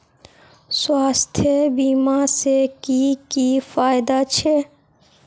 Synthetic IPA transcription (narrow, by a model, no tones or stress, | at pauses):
swaːst̪ʰjəbiːmasekikifaːɪd̪at͡ʃʰe